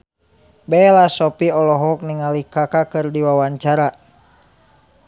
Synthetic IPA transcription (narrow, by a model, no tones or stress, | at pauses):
bɛlasɔpiɔlɔɦɔk̚niŋalikakakɨrdiwawaɲt͡ʃaɾa